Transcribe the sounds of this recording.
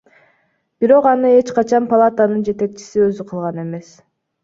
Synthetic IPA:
b̥iɾo̞qɑnɯe̞t͡ʃqɑt͡ʃɑnpɐlˠat̪ənɯnd͡ʒe̞t̪e̞k̚t͡ʃʰi̥siø̞zyqʰɯlˠʁɑne̞me̞s

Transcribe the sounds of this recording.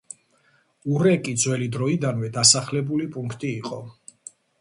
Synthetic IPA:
uɾɛkʼid̪zwɛlid̪ɾɔid̪anwɛd̪asaχlɛbulipʼuŋkʰt̪ʼiːqʼɔ

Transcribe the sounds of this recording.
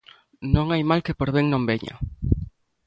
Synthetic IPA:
nõŋajmalkepoɾβeŋnõmbeɲa̰

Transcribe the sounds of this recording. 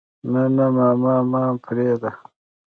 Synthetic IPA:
nanamaːmaːmaːpʰɾeːd̪a

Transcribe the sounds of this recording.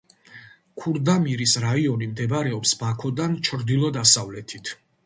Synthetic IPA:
kʰuɾd̪amiɾisɾaiɔnimd̪ɛbɾɛɔpsbakʰɔd̪ant͡ʃʰɾd̪ilˠɔd̪asavlɛt̪ʰit̪ʰ

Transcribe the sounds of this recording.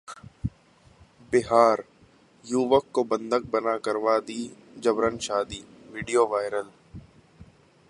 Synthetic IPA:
bɪɦaːɾ | juːʋəkːobə̃nd̪ək̚bənakəɾʋaːd̪iːd͡ʒəbɾənʃaːd̪iː | ʋiːɖijoːʋaːɪɾəl

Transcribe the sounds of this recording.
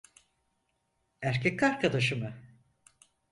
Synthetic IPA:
æɾcʰɛkːaɾkʰad̪aʃɯmɯ

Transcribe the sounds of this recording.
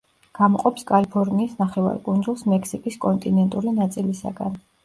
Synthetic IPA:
ɡ̥amɔqʼɔpskʼalipʰɔɾniːsnaχɛva̰ɾkʼund̪zulˠsmɛkʰsikʼiskʼɔnt̪ʼinɛnt̪ʼuɾinat̪sʼilisa̰ɡa̰n

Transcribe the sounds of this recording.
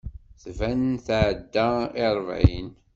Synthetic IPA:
θvænnθʕd̪ːaɪɾˤvʕin

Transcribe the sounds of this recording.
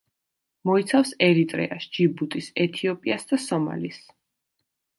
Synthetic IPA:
mɔit̪sʰafsɛɾit̪ʼɾɛ̰aʃd͡ʒibut̪ʼisɛt̪ʰiɔpʼiasd̪asɔma̰lis

